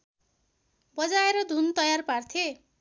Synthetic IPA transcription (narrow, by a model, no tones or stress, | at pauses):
bʌd͡zaeɾʌd̪ʱunt̪ʌjarpart̪ʰe